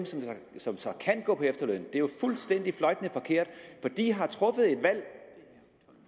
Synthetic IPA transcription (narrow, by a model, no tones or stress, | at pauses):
msɒ̽m | sɒ̽msɒ̽kʰænɡ̥ɔ̰ːpʰɒ̽efd̥ɐløːn̩d̥e̝jo̝fulsd̥en̰d̥iflɒ̽ɪd̥nəfɒ̽kʰe̝ɐ̰d̥fɒ̽d̥ḭːɦɑ̈t͡sʰʁɔ̽fəð̞̩ˠe̝d̥ʋæl̰